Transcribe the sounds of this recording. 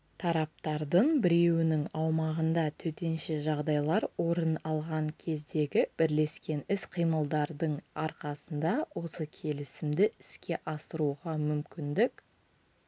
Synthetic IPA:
t̪ʰɑɾɑp̚t̪ɑɾd̪əɴbɪɾe̞wɪnɪŋɑwmɑʁənd̪ɑt̪ʰɵt̪e̞nʃɪʒɑʁd̪ɑjlˠɑɾwo̞ɾənɑlˠʁɑŋkʲʰe̞zd̪e̞ɡʲɪb̥ɪɾle̞skʲe̞nɪsqʰijməlˠd̪ɑɾd̪əɴɑɾqɑsənd̪ɑwo̞səkʲʰe̞lɪsɪmd̪ɪɪskʲe̞ʔɑsəɾuʁɑmʏmkʲɪnd̪ɪk

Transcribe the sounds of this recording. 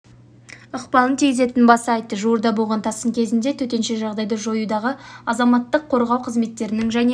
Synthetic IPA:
əqpɑlˠənt̪ʰiɡʲɪze̞t̪ɪnbɑsɑjt̪ːəʒuəɾd̪ɑboʁɑnt̪ʰɑsəŋkʲʰe̞zɪnd̪e̞t̪ʰɵt̪e̞nʃe̞ʒɑʁd̪ɑjd̪ɑʒo̞jud̪ɑʁəɑzɑmɑt̪ːəqʰːo̞ɾʁɑwqʰəzme̞t̪ːe̞ɾɪnɪŋʒæne

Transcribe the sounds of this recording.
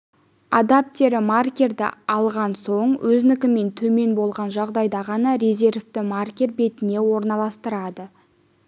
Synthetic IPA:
ɑd̪ap̚t̪e̞ɾɪmarkʲe̞rd̪ɪ̰ɑlˠʁɑnso̞ɴwɵznɪkʲɪme̞nt̪ʰɵme̞nbo̞lˠʁɑnʒɑʁd̪ɑjd̪ɑʁɑnɑɾʲeze̞rvt̪ɪmarkʲe̞ɾbe̞t̪ɪne̞wo̞ɾnɑlˠɑst̪əɾɑd̪ə

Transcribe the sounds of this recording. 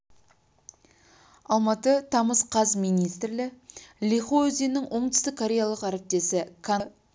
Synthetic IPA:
ɑlˠmɑt̪ət̪ʰɑməsqʰɑsmijnijst̪rlɪlʲiχozijnɪŋwʔo̞ɴt̪ʏ̥st̪ɪkʰːoɾʲe̞jalˠəqæɾɪp̚t̪e̞sɪkʰa

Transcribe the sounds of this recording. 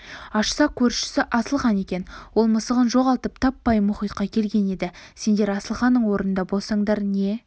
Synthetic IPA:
ɑʃsɑqkʲʰɵɾʃɪ̥sɪʔɑsəlˠʁɑne̞kʲe̞nwo̞lˠməsəʁənʒo̞ʁɑlˠt̪əp̚t̪ʰɑpːɑjmʊχijt̪qɑkʲʰe̞lɡʲe̞ne̞d̪ɪse̞nd̪e̞ɾɑsəlˠχɑnːəɴwo̞ɾənənd̪ɑbo̞lˠsɑɴd̪ɑɾne̞

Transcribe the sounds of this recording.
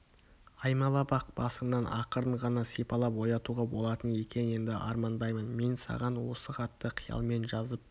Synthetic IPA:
ɑjmɑlˠɑbɑq̚b̥ɑsənɑnʔɑqəɾəɴʁɑnɑsepɑlˠɑpwo̞jɑt̪uʁɑbo̞lˠɑt̪əne̞kʲe̞ne̞nd̪ɪʔɑ̰ɾmɑnd̪ɑjmənme̞nsɑ̰ʁɑnwo̞səχɑt̪ːəqʰijɑ̰lˠme̞nʒɑzəp̚

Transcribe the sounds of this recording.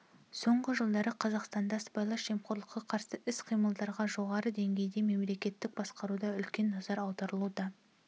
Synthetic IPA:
so̞ɴʁəʒəlˠd̪ɑɾəqʰɑzɑqst̪ɑnd̪ɑsbɑjlˠɑʃʒemχoɾlˠəqːɑqʰɑɾsəʔɪsqʰijməlˠd̪ɑɾʁɑʒo̞ʁɑɾəd̪e̞ŋɡʲe̞jd̪e̞me̞mle̞kʲe̞t̪ːɪk̚bɑsqɑɾud̪ɑʏlkʲe̞nːɑzɑɾɑwd̪ɑɾəlˠud̪ɑ

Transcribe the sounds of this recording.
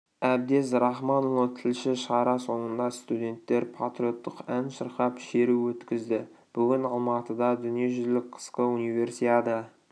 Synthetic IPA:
æb̚d̪e̞sɾɑχmɑnolˠət̪ʰɪlʃɪʃɑɾɑso̞ɴənd̪ɑst̪ud̪ʲe̞nt̪ːe̞ɾpʰat̪ɾijo̞t̪ːəqænʃəɾqɑpʃe̞ɾuwɵt̪kʲɪzd̪ɪb̥ʏɡʲɪnɑlˠmɑt̪əd̪ɑd̪ʏnije̞ʒʏlɪk̚qʰə̥sqəunive̞ɾsijɑd̪ə

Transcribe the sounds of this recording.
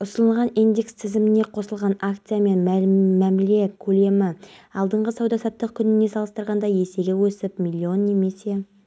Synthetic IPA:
ʊsənəlˠʁɑnind̪e̞kst̪ʰɪzɪmɪne̞qʰo̞səlˠʁɑnakt̪sɨjame̞nmæmæmle̞kʲʰɵle̞mɪɑlˠd̪əɴʁəsɑwd̪ɑsɑpt̪̚ːəq̚kʲʰʏnɪne̞sɑlˠəst̪əɾʁɑnd̪ɑje̞se̞ɡʲewɵsɪpmʲilʲːio̞nːe̞me̞se̞

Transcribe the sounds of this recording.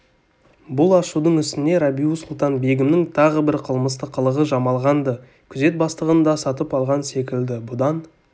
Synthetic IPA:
bʊlˠɑʃud̪əɴʏst̪ɪne̞ɾabʲiusʊlˠt̪ɑnbe̞ɡʲɪmnɪŋt̪ʰɑʁəbɪɾqʰəlˠməst̪əqʰːəlˠəʁəʒɑmɑlˠʁɑnd̪ə | kʲʰʏze̞t̪̚bɑst̪əʁənd̪ɑsɑt̪əpɑlˠʁɑnse̞kʲɪld̪ɪbʊd̪ɑn

